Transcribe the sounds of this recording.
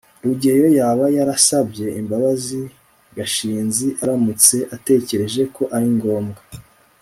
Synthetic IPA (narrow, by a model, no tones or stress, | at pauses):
ɾuɟe̞jo̞jaːβajaɾasabɟe̞imbaβazi | ɡaʃiːnziʔaɾamut͡se̞ʔate̞ːce̞ɾe̞ʒe̞ko̞ʔaɾiŋɡo̞ːmɡa